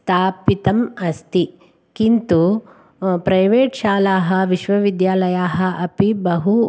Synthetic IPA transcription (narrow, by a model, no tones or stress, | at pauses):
st̪ʰaːpit̪ɐmɐst̪i | kint̪u | pɾɐjʋeːʈʃaːlaːɦɐʋiʃʋɐʋid̪jaːlɐjaːɦɐʔɐpibɐɦu